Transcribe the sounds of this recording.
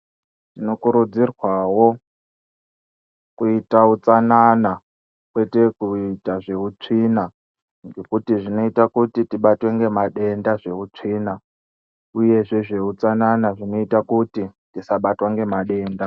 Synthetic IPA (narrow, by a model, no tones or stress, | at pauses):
ino̞kuɾud͡zirwawo̞ | kuitaut͡sanana | kwe̞te̞kuitaʐe̞ut͡ʂiːna | ŋɡe̞kutiʐino̞itakutitiɓatwe̞ŋɡe̞maɗe̞ndaʐe̞ut͡ʂiːna | uje̞ʐe̞ʐe̞ut͡sananaʐino̞itakuti | tisaɓatwaŋɡe̞maɗe̞ːnda